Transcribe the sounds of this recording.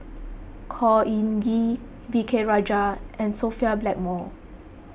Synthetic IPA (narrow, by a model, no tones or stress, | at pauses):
kʰɔĩnɡi | vikʰeɹɔd͡ʒaʔɛ̃nsofiablɛk̚mɔ